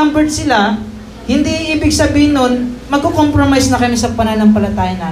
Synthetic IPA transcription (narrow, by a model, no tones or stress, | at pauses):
ambɛd̪̚sɪla | hɪnd̪iʔiːbɪɡsɐbiːhɪnːonmɐɡ̚kokompɾomajsnɐkɐmɪsɐpɐnɐnɐŋpɐlɐt̪aːjɐna